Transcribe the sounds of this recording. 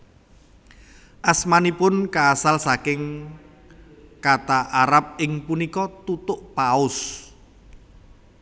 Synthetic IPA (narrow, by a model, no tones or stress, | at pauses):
ʔasmanipʊnkaːsalsakɪŋ | kat̪aʔaɾap̚ɪŋpunikɔt̪ut̪ʊʔpaʊs